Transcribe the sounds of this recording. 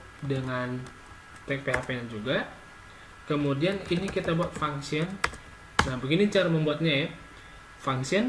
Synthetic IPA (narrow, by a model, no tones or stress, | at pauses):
dəŋan | t̪ɛk̚pehapedand͡ʒuɡa | kəmudianinikit̪abuat̪̚faŋsiɔn | nahbuɡinit͡ʃaɾaməmbuat̪̚ɲaja | faŋsiɔn